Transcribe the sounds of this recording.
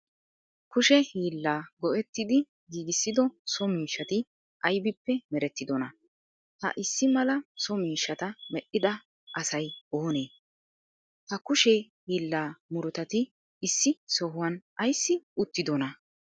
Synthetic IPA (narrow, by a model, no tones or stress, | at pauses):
kʊʃɛhiːlːaːɡɔʔɛt̪ːɪd̪ɪ | ɡiːɡɪsːɪd̪ɔsɔmiːʃːɐt̪ɪ | ʔɐjbɪpːɛmɛɾɛt̪ːɪd̪ɔnɐ | hɐ̰ʔɪsːɪmɐlɐsɔmiːʃːɐt̪ɐmɛʔɪd̪ɐ | ʔɐsɐjoːne̞ː | hɐkʊʃɛhiːlːaːmʊɾɔt̪ɐt̪ɪː | sːɪsɔɦʊwɐnɐjsːɪʊt̪ːɪd̪ɔnɐ